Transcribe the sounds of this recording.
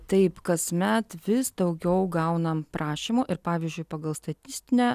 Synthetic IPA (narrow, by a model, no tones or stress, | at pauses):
t̪ɐɪpkɐsmʲɛt̪ʋʲɪsd̪ɐʊɡʲɛʊɡɐʊnɐmpɾʔɑːʃʲiːmoːʔɪɾpɑːʋʲiːzʲd͡ʒʲʊɪpɐɡɐlˠst̪ɐt̪ʲɪsʲt̪ʲɪnʲæː